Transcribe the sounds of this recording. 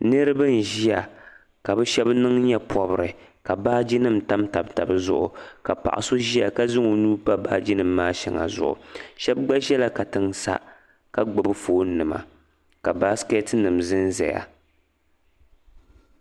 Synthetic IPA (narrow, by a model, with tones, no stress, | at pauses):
nɨ˦ɾɨ˦bɨ˦n˨ʒi˦a˨ | ka˨bɛ˦ʃɛ˦bnɨ˦ŋɲɛ˦pʰɔ˨bɨ˨ɾɨ˨ka˨baː˦d͡ʒi˦nɨ˦m̩˨ta˦mta˨bta˨bɨ˦zʊ̰˦ʔʊ̰˨ka˨pa̰˨ʔa˨so˦ʒi˦a˨ka˦zɨ˦ŋo˨nuː˦pa˦baː˦d͡ʒi˦nɨ˦mːaː˦ʃɛ˨ŋa̰˨zʊ̰˨ʔʊ̰˨ʃɛ˦b̚ɡ͡ba˦ʒɛ˦la˦ka˨tɨ˨ŋsa̰˦ | ka˨ɡ͡bɨ˨bɨ˦foː˨˦n˦nːɨ˨ma̰˨ | ka˨ba˦ske˦tnɨ˨mzɨ˦nzɛ̰˨ja̰˨